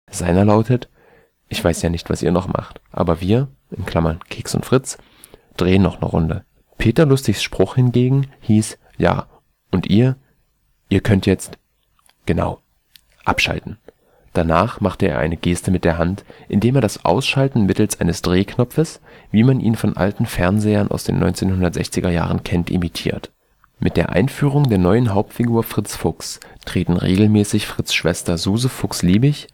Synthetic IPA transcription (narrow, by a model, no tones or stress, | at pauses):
z̥aɪnɐlaʊtət | ʔɪçv̥aɪsjaːnɪçtv̥a̰sḭːɐnɔχmʔa̰χtʔa̰ːbɐviːɐ | ʔɪnkʰl̥amɐnkʰeːksʊ̰ntfʁ̥ɪt͡s | d̥ʁeːənːɔχnə̰ʁʊ̰ndə̰ | pʰeːtɐlʊstɪçsʃpʁ̥ʊχhɪnɡeːɡŋ̩hiːs | ja̰ː | ʔʊntʔiːɐ | ʔiːɐkʰœntjɛt͡st | ɡ̥əna̰ʊ | ʔa̰pʃa̰ltn̩ | d̥anaːχmaχtəḛːɐʔa̰ɪnəɡeːstəmɪt̚d̥eːɐɦantʔɪndeːmeːɐɾasʔa̰ʊsʃaltn̩mɪtl̩sʔaɪnəsd̥ʁeːkʰnɔp͡fəsviːmanʔḭːnfɔnʔa̰ltn̩fɛɐnzeːɐnʔa̰ʊsd̥ḛːnːɔ̰ʏnt͡seːnhʊndɐtz̥ɛ̰çt͡sɪɡɐja̰ːʁ̞ənkʰɛntʔɪ̰mitʰiːɐt | mʔɪt̚d̥eːɐʔa̰ɪnfyːʁ̞ʊŋdeːɐnɔʏənɦaʊp̚tfiɡuːɐfʁ̥ɪt͡sfʊkstʁ̥eːtn̩ʁḛːɡl̩mɛːsɪçfʁ̥ɪt͡sʃv̥ɛstɐzuːzəfʊksliːbɪç